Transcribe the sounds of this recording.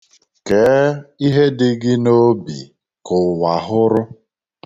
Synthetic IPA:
ke˨˦i˦ɦe˦dɪ˦ɡɪ˦no˦bi˨ | kʊ˨wa˨ɦʊ˦ɾʊ˦

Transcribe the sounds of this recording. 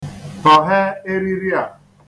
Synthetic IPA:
fa˨ɦe˦e˦ɾi˦ɾi˦a˨

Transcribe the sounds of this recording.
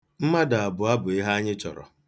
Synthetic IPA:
m̩˦ma˦da˨a˨bʊ˨a˦bʊ˨i˦ɦa˦a˦ɲɪ˦t͡ʃɔ̰˨ɾɔ̰˨

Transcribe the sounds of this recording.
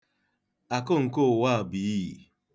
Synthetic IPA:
a˨kʊ˦ŋ̩˨ko˦˨wa˦˨bi˨˦i˨

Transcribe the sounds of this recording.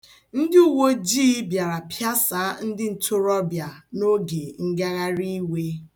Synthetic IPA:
n̩˦dɪ˦u˦wo˦d͡ʒi˦bja˨ɾa˨pʰja˦sa˨˦n̩˦dɪ˦n̩˨tʰʊ˦ɾɔ˦bja˨no˦ɡe˨ŋ̩˦ɡa˦ɣa˦ɾi˦we˦

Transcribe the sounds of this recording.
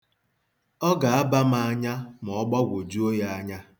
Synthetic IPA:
ɔ˦ɡa˨a˦ba˦ma˦a˦ɲa˦m˨ɔ˦ɡ͡ba˦ɡʷo˨d͡ʒu˦o˦ja˦a˦ɲa˦

